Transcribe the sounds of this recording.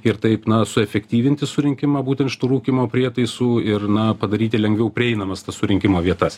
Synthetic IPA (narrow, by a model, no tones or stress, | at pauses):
ɪɾt̪ɐɪpnɐsʊɛfʲɛkʲt̪ʲiːʋʲɪnʲt̪ʲɪsʊɾʲɪŋʲkʲɪmɑːbuːt̪ʲɛnʃʲɪ̥t̪uːɾuːkʲimoːpʲɾʲiɛt̪ɐɪsuːɪrnɐpɐd̪ɐɾʲiːt̪ʲɪlʲɛŋɡʋʲɛʊpʲɾʲɪɛɪnɐmɐst̪ɐssʊɾʲɪŋʲkʲɪmoːʋʲiɛt̪ɐs